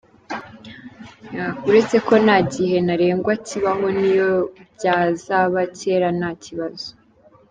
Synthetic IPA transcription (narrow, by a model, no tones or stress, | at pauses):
jauɾe̞t͡se̞ko̞naɟiɦe̞naɾe̞ːŋɡwaciβaɦo̞nijo̞bjaːzaβace̞ːɾanaciβazo̥